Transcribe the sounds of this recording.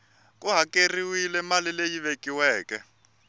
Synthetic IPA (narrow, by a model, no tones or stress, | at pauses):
kuɦakeriwilɛmalilejiβekiwɛːkɛ